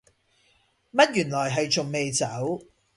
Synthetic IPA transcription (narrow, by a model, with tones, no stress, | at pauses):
mɐ˥t̚jyː˨˩nlɔː˨˩jɦɐ˨jt͡ʃʊ˨˩ŋme˨˧jt͡sɐ˨˥w